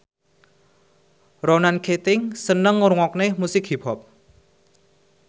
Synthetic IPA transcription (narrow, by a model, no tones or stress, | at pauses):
ronankʰet̪ɪŋsənəŋːuɾuŋɔk̚nemusɪk̚hipʰɔp̚